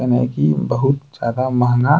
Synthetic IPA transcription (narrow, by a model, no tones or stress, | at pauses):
ɐnḛkibɐɦʊt̪z̥jaːd̪amɐɦŋɡa